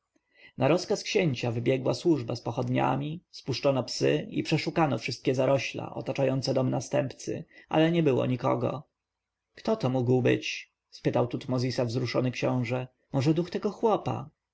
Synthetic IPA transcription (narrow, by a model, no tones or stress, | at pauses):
naɾɔskaskɕeɲt͡ɕavɘbʲjɛɡwaswuʐbaspɔxɔd̪ɲa̰mʲispuʂt͡ʂɔnɔpsɘḭpʂɛʂukanɔfʂɘst̪̚kʲɛzaɾɔɕla̰ʔɔ̰t̪at͡ʂajɔnt̪sɛd̪ɔmnast̪ɛmpt̪sɘ̰a̰lɛɲɛbɘwɔ̰ɲikɔ̰ɡɔ̰ | kt̪ɔt̪ɔmuɡwbɘ̰t͡ɕ | spɘt̪awt̪ut̪mɔzʲisavzɾuʂɔnɘkɕɔ̃w̃ʐɛ | mɔʐɛd̪uxt̪ɛɡɔxwɔpa̰